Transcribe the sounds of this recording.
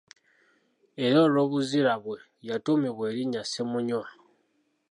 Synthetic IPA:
e̞ɾoːlo̞ːβuziɾaβwe̞ | jatomiβwe̞ːɾiɲasemuɲwa

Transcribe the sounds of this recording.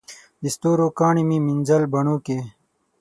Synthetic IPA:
ist̪oːɾoːkaːɳimimind͡ʑɐlbɐɳuːke

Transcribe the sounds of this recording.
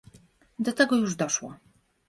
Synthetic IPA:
d̪ɔt̪ɛɡɔjuʐd̪ɔʂwɔ̰

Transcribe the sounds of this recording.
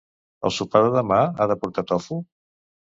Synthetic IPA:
ə̰lˠsupaðəðəmaaðəpuɾt̪at̪ɔfu

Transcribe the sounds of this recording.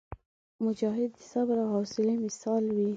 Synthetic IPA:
mʊd͡ʒɑɦɪd̪ːəsabɾahɑsɪlemɪsɑlwi

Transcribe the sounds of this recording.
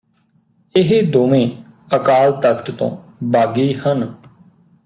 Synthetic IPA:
ɪɦed̪oːmẽː | əkaːlt̪əkt̪t̪õ̰ːbaːɡiːhən

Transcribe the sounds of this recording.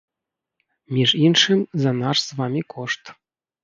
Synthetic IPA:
mʲiʐinʂɨmzanɑʂsvɑmʲikoʂt̪

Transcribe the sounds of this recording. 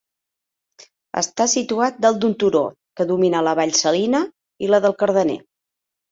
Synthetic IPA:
ə̰st̪asit̪uat̪̚d̪əlˠd̪unt̪uɾo̰ | kəðuminələβaʎsəlinə | iləðəlˠkəɾð̞ənḛ

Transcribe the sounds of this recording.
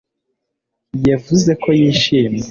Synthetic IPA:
jevuze̞kʰo̞jiːʃiːmje

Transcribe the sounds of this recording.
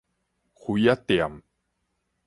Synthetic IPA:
xujat̪ia̰m

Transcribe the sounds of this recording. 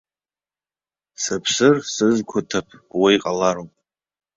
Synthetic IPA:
sɨpʰsɨrsɨzkʷʰʊtʰapʰwijqʼalaɾopʼ

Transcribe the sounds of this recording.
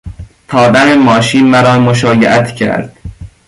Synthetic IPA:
t̪ʰɒːbænemɒːʃiːnmæɾɒːmoʃ̬ɒːjeʔæt̪ʰcʰæ̰ɾd̪̥̚

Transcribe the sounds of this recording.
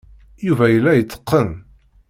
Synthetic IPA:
juvæjəlːæjət͡sːə̥qːən

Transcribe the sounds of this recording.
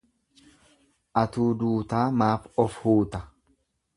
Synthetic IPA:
ʔɐt̪uːd̪uːt̪aːmaːfɔfhuːt̪ɐ

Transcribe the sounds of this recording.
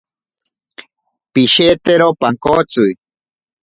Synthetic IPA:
piʃet̪eɾopaŋkot͡sʊj

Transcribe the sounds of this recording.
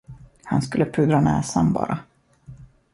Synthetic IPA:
hanskɵlːəpʰɾʉːd̪ɾanɛːsambɑ̰ːɾʔa

